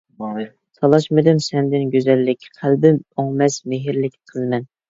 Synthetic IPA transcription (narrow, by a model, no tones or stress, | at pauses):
sʰɑlˠɑʃmɨd̪ɪmsɛnd̪ɪnɡʲøzɛlːɪkʲqʰælbɪmoŋmɛsmeɦɪɾlɪkʲnɨqʰəzˠmɛn